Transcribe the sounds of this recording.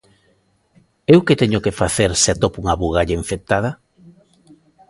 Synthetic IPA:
ewket̪eɲʊkefaθeɾseat̪opuŋaβuɣaʎaiɱfet̪aða

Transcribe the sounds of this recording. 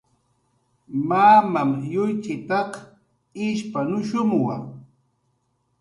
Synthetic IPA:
maːmamjʊjt͡ʃɪt̪ɑq | ɪʃpanʊʃʊmwa̰

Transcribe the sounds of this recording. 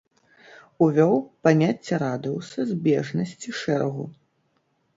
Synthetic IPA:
uvʲɔwpamʲat͡sʲːɛɾad̪ɨwsɐzʲbʲɛʐnɐsʲt͡sʲiʂɛɾɐɣu

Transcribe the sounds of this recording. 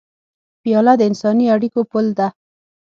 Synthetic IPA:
pjɑlad̪əɪnsɑniaɽikopʊld̪a

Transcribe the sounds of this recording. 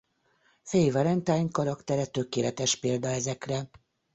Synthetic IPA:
fejvɒlɛnt̪aːɲkɒɾɒkt̪ɛɾɛt̪økeːlɛt̪ɛʃpeːld̪ɒɛzɛkrɛ

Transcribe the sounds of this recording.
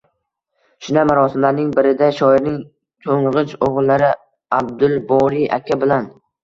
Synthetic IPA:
ʃʊnamaɾɒsɪmlaɾnɪŋbɪɾɪd̪aʃɒɪɾnɪŋ | t̪ʰoŋʁɨt͡ʃoʁʊlˠːaɾɪ | ab̚d̪ʊlˠbɒɾiʔa̰kʲʰabɪlan

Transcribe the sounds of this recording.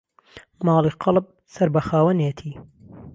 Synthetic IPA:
mɑːlˠiqʰɨlˠp̚ | sɐɾbɐxaːwɐnet̪ʰiː

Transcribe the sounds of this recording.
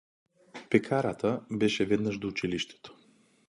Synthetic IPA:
pɛkʰaɾat̪ʰabɛʃɛvɛd̪naʒd̪out͡ʃiliʃt̪ɛ̥t̪o̥

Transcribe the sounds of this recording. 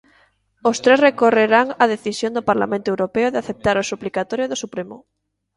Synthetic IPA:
ost̪ɾesrekoreɾaŋað̞eθisjond̪opaɾla̰mẽnt̪oewɾopeoðeaθep̚t̪aɾosuplikat̪oɾjoðosupɾemo̰

